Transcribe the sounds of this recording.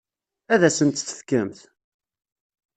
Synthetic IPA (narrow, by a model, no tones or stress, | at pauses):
æðæsənt̪θə̥fkəmθ